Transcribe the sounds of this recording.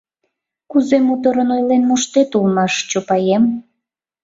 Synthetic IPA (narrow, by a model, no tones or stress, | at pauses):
kuzemut̪əɾənojlenmoʃt̪et̪ulmɑʃt͡ɕopɑjem